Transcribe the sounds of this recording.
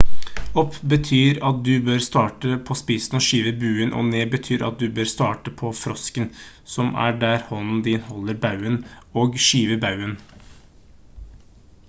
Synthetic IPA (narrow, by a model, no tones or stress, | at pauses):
ɔpʰbət̪ʰyːɾɑt̪̚d̪ʉbøːɾst̪ɑːʈəpʰɔspiːsn̩ɔʃiːʋəbʉːənʔɔ̰ːneːbət̪ʰyːɾɑ̰t̪̚d̪ʉbøːɾst̪ɑːʈəpʰɔfɾɔskən | sɔmæ̰ɖæːɾhɔnn̩d̪ɪːnhɔlːəɾbɑʉən | oːɡʃiːʋəbɑʉən